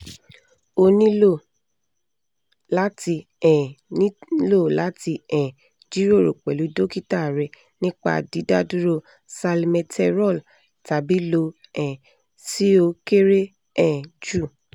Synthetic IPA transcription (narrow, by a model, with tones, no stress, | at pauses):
o˧nĩ˦lo˦˨ | la˦ti˧ | ɛ̃˨nĩ˦lo˦˨la˨˦ti˧ɛ̃˨ | d͡ʒi˦ɾo˦˨ɾo̰˨k͡pɛ˨lu˨˦do˦ki˦ta˦˨ɾɛ˧ | nĩ˦k͡pa̰˦˨di˨˦da˦du˦ɾo˧ | sa˧li˧mɛ̃˧tʰɛ˧ɾɔ˦˨l | ta˨˦bi˦lo˧ | ɛ̃˨ | si˦o˧ke˦ɾe˦ | ɛ̃˨d͡ʒu˦˨